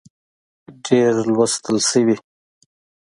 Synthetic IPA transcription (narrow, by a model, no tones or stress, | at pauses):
ɖeɾlwast̪əlsəwi